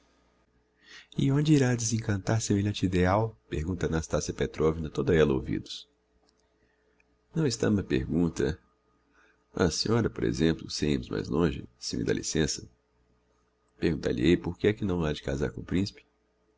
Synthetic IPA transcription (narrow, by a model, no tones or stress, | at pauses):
ɪõd͡ʒɪiɾaɐd̪ezẽkɐ̃nt̪aɾsemelʎɐ̃nt͡ʃid̪eawpeɾɡũnt̪ɐnast̪asjɐpet̪ɾovinɐt̪od̪ɐɛlɐo̰wvḭd̪ʊ̥s | nɐ̃w̃ɪst̪ɐ̰̃mɐpeɾɡũnt̪ɐ̰ | ɐ̰sĩɲɔɾɐpoɾḛzẽmplʊseḭ̃mʊzma̰jzlõʒɪ̰sĩmɪ̰d̪a̰lʔisẽsɐ | peɾɡũnt̪a̰ʎḭejpoɾkɪɛkɪnɐ̃w̃ad͡ʒɪkaza̰ɾkõʊpɾĩsi̥pɪ̥